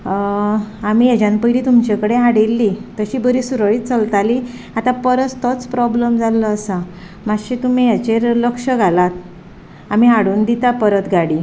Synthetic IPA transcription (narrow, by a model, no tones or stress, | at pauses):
amijad͡ʑãnpəjliːt̪umt͡ɕekəɽeɦaɽilːit̪əɕiːbəɾiːsuɾəɭiːt̪̚t͡səlt̪ali | at̪ãpəɾət͡st̪ɔt͡spɾɔbləmd͡zalːəːsa | maɕit̪um̤ijat͡ɕeɾləkʂəɡʱalat̪̚ | am̤iɦaɽuːnd̪it̪apəɾət̪ɡʱaɽiː